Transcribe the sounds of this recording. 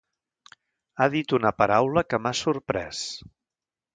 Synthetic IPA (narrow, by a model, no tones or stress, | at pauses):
aðit̪unəpəɾawləkəmasurpɾɛs